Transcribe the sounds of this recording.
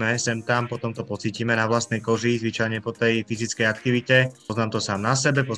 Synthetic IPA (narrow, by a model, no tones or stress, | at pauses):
ɛsɛmt̪ampɔt̪ɔmt̪ɔpɔt͡siːcimɛnaʋlast̪nɛjkɔʒizʋit͡ʃajɲɛpɔt̪ɛjfizit͡skɛjakt̪iʋicɛɔznaːmt̪ɔsaːmnasɛbɛpɔ